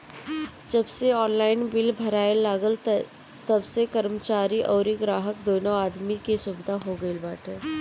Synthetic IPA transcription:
d͡ʒɐbseɔːnlaːɪnbɪlbʱɐɾaːelaːɡəl | t̪ɐbsekɐɾmət͡ʃaːɾiʔɔːɾiɡɾaːɦək̚d̪oːnõaːd̪mikesʊbɪd̪ʱaɦoɡəilbaːʈʰeː

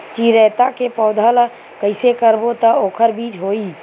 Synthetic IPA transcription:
t͡ʃiɾəjt̪akepɔʊd̪ʱəl | kəɪsekəɾbot̪əokʰəɾbid͡ʒɦoi

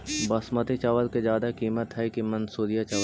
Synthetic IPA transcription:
bɐsmət̪et͡ʃaʋəlked͡ʒjaːd̪akiːmət̪ɦɛkimɐ̃nsuːɾijat͡ʃaʋ

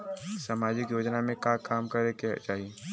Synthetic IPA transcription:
saːmaːd͡ʒɪkjoːd͡ʒnamẽkakaːmkɐɾeket͡ʃaːɦie

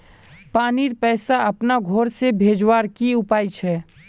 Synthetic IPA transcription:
paːniɾpɛːsaəpnaɡʱoːɾsebʱeːd͡ʒwaːɾkiʊpaːit͡ʃʰɛː

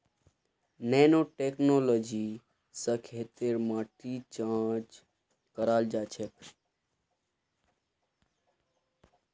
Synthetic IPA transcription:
nɛːnoʈeknoloːd͡ʒi | səkʰet̪eɾmãːʈit͡ʃãːt͡ʃ | kəɾaːld͡ʒaːt͡ʃʰek

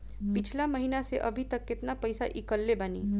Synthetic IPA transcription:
pɪt͡ʃʰlaməɦinaseʔəbʱit̪əkːɪt̪napəjsaʔikəlːebani

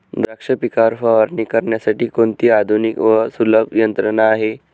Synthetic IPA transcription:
d̪ɾəkʂəpikaɾfəʋəɾnikəɾɳjasaʈiːkoɳt̪iːad̪ʱunikʋəsuləbʱjənt̪ɾənaːɦe

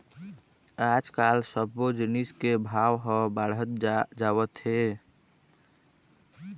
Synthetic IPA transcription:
ad͡ʒkalsəbod͡ʒiniskebʱawɦə̃baɽət̪̚d͡ʒawət̪ɦe

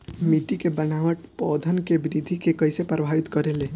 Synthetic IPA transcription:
miʈikebənaʋəʈpɔd̪ʱənkebɾid̪ʱikekəɪsepɾəbʱaʋɪt̪kəɾele

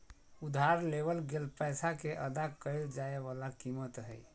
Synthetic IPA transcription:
ud̪ɦaɾleβəlɡelpəjsakeʔəd̪akəɪld͡ʒaebalakimət̪ɦəj

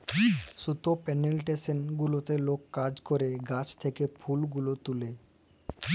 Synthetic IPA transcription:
ʃut̪opɛnelʈesenɡulot̪elokːad͡ʑkoɾeɡat͡ɕt̪ʰekepʰulɡulot̪ule

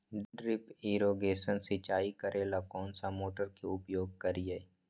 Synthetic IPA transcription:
ɖɖɾɪpɪɾoːɡeːsənsɪt͡ʃaːikəɾʔeːlakɔːnsamoːʈəɾkeʊpjoːɡ̚kəɾɪjeː

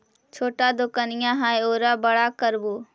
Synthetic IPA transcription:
t͡ʃʰoːʈad̪okənɪjãɦaːeoːɾabɐɽakəɾboː

